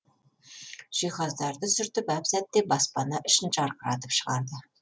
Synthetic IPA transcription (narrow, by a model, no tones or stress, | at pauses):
ʒ̥iχɑzd̪ɑrd̪əsɵ̆rt̪ɵ̆pæpsæt̪ːebɑspɑnɑʔɘ̆ʃɘ̆nt͡ʃɑrqəɾɑ̰t̪ə̥pʃə̆ʁɑɾd̪ə